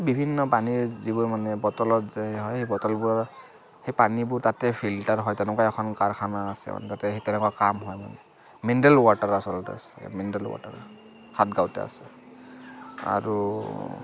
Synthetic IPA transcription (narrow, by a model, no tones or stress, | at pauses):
bibʱinːɔpaniɹzibuɹmanɛbɔtɔlɔtzɛheɦɔjhejbɔtɔlbʊɹaɹ | hejpanibʊɹtatɛpʰiltaɹɦɔjtɛnʊkaɛkʰɔnkaɹkʰanaːsɛ̰ma̰nɛtatɛɦetɛnɛkakamɦɔjma̰nɛ | mindɛlwataɹasɔltɛ̰a̰sɛ̥mindɛlwa̰ta̰ɹa̰ | hat̚ɡawtɛ̰a̰sɛ | a̰ɹu